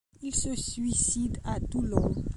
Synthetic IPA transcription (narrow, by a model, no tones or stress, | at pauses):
ilsəsɥisid̪at̪ulɔ